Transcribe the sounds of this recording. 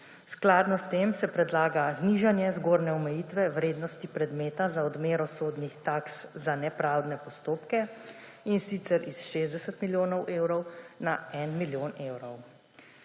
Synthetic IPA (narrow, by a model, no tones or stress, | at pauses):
sklaːd̪nɔst̪eːmsɛpɾɛd̪laːɡazniːʒanjɛzɡoːɾnɛɔmɛjit̪ʋɛwɾeːd̪nɔst̪ipɾɛd̪meːt̪azaɔd̪meːɾɔsoːd̪nixt̪akszanɛpɾawd̪nɛpɔst̪oːpkɛ | insit̪sɛɾʔisʃeːzd̪ɛsɛt̪miljoːnɔwʔeːwɾɔwnaɛnmiljoːnewɾɔw